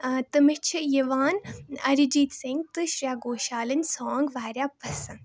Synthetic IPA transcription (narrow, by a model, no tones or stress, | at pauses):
t̪ɨmit͡ʃʰijɐʋaːnɐɾid͡ʒiːt̪siŋɡ̚t̪ɨʃɾʲjaːɡoːʃaːlɐnʲsoːŋɡʋaːɾjaːpɐsɐn